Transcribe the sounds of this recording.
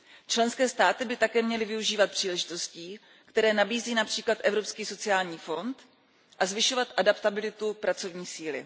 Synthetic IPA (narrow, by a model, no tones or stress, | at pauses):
t͡ʃlɛnskɛːst̪aːt̪ɪbɪt̪akɛːmɲɛlɪvɪuʒiːvat̪̚pr̝̥iːlɛʒɪt̪o̞sciː | kt̪ɛɾɛːnabiːziːnapr̝̥iːklat̪ʔɛvɾo̞pskiːso̞t͡sɪaːlɲiːfo̞nt̪ | ʔazvɪʃo̞vat̪ʔadapt̪abɪlɪt̪upɾat͡so̞vɲiːsiːlɪ̰